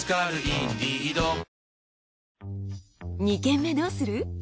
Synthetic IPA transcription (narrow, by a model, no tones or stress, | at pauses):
kaɾɯid̪iid̪o | ɲikẽ̞mːe̞d̪oːsɨɾɯ